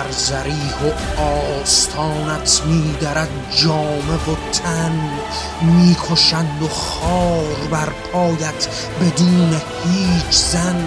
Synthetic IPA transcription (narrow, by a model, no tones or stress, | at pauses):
æɾzæɾiːhoɒːst̪ʰɒːnæt̪ʰmiːd̪æɾæd̪ | d͡ʒɒːmevot̪ʰæn | miːkʰoʃænd̪oχɒːɾbæɾpʰɒːjæt̪ʰ | be̞d̪uːnehiːt͡ʃʰzæn